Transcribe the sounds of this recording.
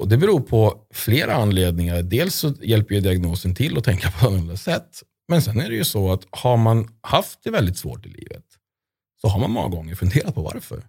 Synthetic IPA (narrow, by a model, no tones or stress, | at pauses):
ɔd̪ɛbɛɾuːɾpʰɔfleːɾʔaanːleːd̪nɪŋaɾɖeːlsːɔjɛlpːəɾjɵd̪ɪaɡnoːsənt̪ʰɪlːɔt̪ʰɛŋkapʰɔanːnd̪asɛt̪ː | mɛnsɛnːæɖɛjɵsɔat̪haɾmanhaft̪̚d̪ɛvɛld̪ɪt̪svo̰ːʈɪlʔḭːvə̰t̪ | sɔɦaɾmanmɔ̰ŋːa̰ɡɔŋːəɾfɵnd̪eːɾat̪̚pʰɔva̰ɾfœ̰ɾ